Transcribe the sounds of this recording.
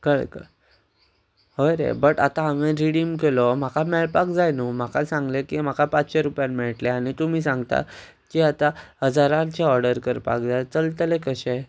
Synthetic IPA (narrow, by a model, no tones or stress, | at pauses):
kəɭkə̰ | ɦəɾḛbəʈat̪aameɾiɽimk̬elɔm̤akʰamɛɭpakd͡zajnum̤akasãŋɡlekim̤akapat͡sɕeɾupjanmɛɭʈleaɽ̃it̪um̤iːsãŋɡt̪a̰ | kiat̪ahəd͡zaɾat͡ɕeɔɾɖəɾkəɾpa̰k̚d͡zajt͡səlt̪əlekəɕɛ̃